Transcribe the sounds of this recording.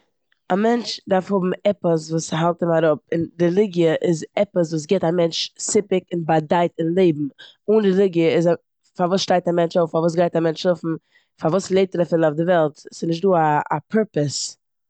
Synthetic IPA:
amɛnt͡ʃdaɾfhʊbm̩ɛpəs̬vuːshalˠtəmaɾʊp̚ɪndɪlˠɪɡjəʔɪzɛpəs̬vuːs̬ɡɛtamɛnt͡ʃsɪpɪkɪnbadaɪtɪnlˠeɪbm̩ | uːndɪlˠɪɡjəɪz | favuːsʃtaɪktamɛnt͡ʃoʊffavuːs̬ɡaɪtamɛnt͡ʃlʊfm̩ | favuːslˠeɪp̚tɛɾafɪlˠaʊfdɪvɛlˠtsɪnɪʃ̬tduːaːpʰɛɾpəs

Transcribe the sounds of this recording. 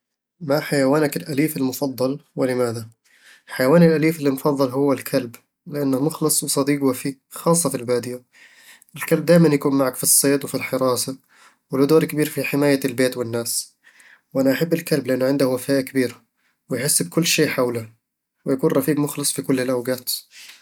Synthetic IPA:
maħajawaːnakɪlʔaliːfɪlmʊfɑd̪ˤːɑlwɪlɪmaːða | ħajawaːnɪlʔaliːfɪlːimʊfɑðˤːɑlɦʊwːalkʰalb | lɪʔanːamʊxlɨsˤwɪsˤɑd̪iːɡwafiːɡxɑːsˤːɑfilbaːd̪ɪja | ʔɪlkalb̚d̪aːjmanjakuːnmaʕakfisˤːeːt̪wɪfilħɪɾˤɑːsa | wɪld̪oːɾkabiːɾfiħɪmaːjalbeːt̪wɪnːaːs | wʔanaʔaħabːɪlkalblɪʔanːʊʕɪnd̪ahwafaːʔɪkɪbiːɾa | wɪjħɪsːb̚kʊlːʃeːʔħawla | wɪjakuːnɾˤɑfiːɡmʊxlɨsˤfikʊlːɪlʔawɡaːt̪

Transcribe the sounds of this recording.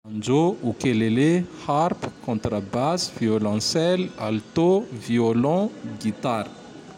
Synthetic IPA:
ãnd͡ʒoukeleleharpkɔ̃nt̪ɾəbasvjolɑ̃sɛlalt̪oviolɔ̃ɡit̪aɾ

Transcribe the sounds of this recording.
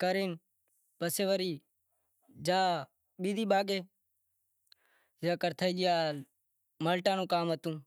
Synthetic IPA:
kəɾeːn | pəseːʋəɾiː | d͡ʒaː | ɓiːd̪ʱiːɓaːɡeː | zjaːkəɾt̪ʰəiːd͡ʒɪjaː | məlʈaːnũːkaːmɦət̪ũː

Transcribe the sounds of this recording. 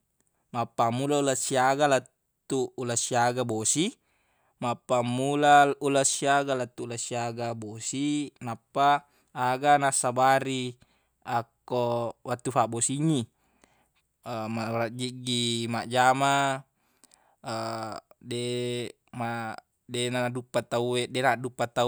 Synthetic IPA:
mapːamulaulasiaɡalat̪ː | uːlasiaɡabosi | mapːamːulaulasiaɡalat̪ːuːlasiaɡabosinapːaː | ɡanasːabaɾi | akːowʔat̪ːufaʔbosiɲːi | marad͡ʒiɡimaʔd͡ʒama | de | ma | denadupːat̪auedenadupːat̪a

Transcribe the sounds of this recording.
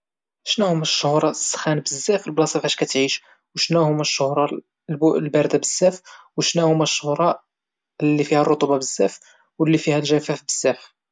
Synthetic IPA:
ʃnæhʊmːæʃːʊhɾˤɑsːxænbəzːæfəlblɑsˤifæʃkæt̪ʕiʃ | wʃnæhʊmːæʃːʊhɾˤɑ | blbæɾd̪abəzːæfwʃnæhʊmːæʃːʊhɾˤɑ | lːifihærˤːot̪ˤubɑbəzːæf | wəlːifihælʒæfæfbəz̥ːæf

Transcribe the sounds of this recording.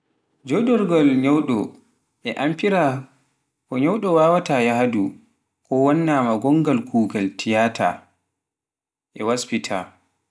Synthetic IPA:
d͡ʒɔdɔɾɡɔlɲɔwɗɔ̰ | ʔɛʔampiɾa | kɔɲɔwɗɔwaːwatajahadu | kɔwanːamaɡɔŋɡalkʰuːɡaltʰijaːtʰa̰ | ʔɛwaspitʰa

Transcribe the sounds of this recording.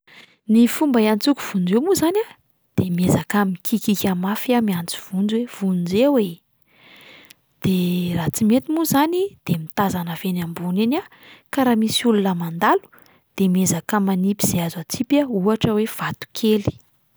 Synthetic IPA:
nifumbaiant͡suku̥v̥und͡zemuzana | d̪̥emiezakamikʰikikʲamafiamiant͡si̥v̥und͡zwev̥und͡zewe | d̪̥erat͡simet̪imuzanid̪̥emit̪azanəvenambuninʲa | kaɾamisiulunəmand̪alu̥ | d̪̥emiezakəmanipiz̥iazat͡sipauaʈ͡ʂəwev̥at̪u̥kʰeli̥

